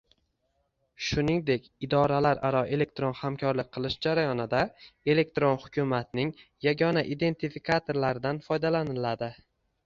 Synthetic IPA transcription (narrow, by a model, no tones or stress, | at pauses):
ʃʊnɪŋd̪e̞kʲɪd̪ɒɾalaɾʔaɾɒʔe̞le̞k̚t̪ɾo̞nhamkʰɒɾlɪk̚ʲqʰɨlˠɪʃd͡ʒaɾajɒnɪd̪ae̞le̞k̚t̪ɾo̞nhʊ̥kʲʰʊmat̪nɪŋjaɡʲɒnaʔid̪e̞nt̪ʰifikʰat̪ʰo̞ɾlaɾɪd̪anfɒjd̪alanɪlad̪ɪ